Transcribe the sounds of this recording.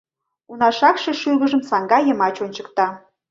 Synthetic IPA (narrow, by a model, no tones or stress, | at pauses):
unɑʃɑkʃeʃyɣəʒəmsɑŋɡɑjəmɑt͡ɕonʲt͡ɕəkt̪ɑ